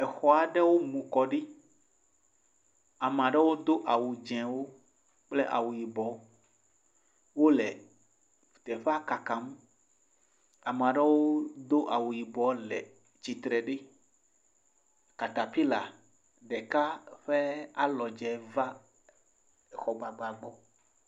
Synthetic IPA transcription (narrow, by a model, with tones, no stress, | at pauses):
ɛ˨xɔ˨a˨ɖɛ˦wo˦mũ˨kɔ˨ɖi˦ | a˨m˨a˨ɖɛ˦wo˦d̪o˦ʔa˨wu˨d͡ʒɛ̃˨wo˦ | k͡ple˦ʔa̰˨wu˨ji˨bɔ˨˦ | wo˦lɛ˨ | t̪ɛ˨ɸa˦ka˨ka˨˦m | a˨m˨a˨ɖe˦wo˦d̪o˦ʔa˨wu˨ji˨bɔ˨˦lɛ̰˨ | t͡ʃi˨t̪ɾɛ˨ɖe˦ | ka˨t̪a˨pi˦la˨ | ɖɛ˨ka˦ɸe˦a˦lɔ˨d͡ʒɛ˨va˦˨ | xɔ˨ɡ͡ba˨ɡ͡ba˨ɡ͡bɔ˦